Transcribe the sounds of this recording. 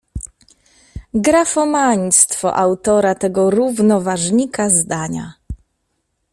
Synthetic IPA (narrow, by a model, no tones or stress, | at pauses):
ɡɾafɔmaɲst̪fɔ̰ʔawt̪ɔɾat̪ɛɡɔɾuvnɔvaʐɲikazd̪aɲa̰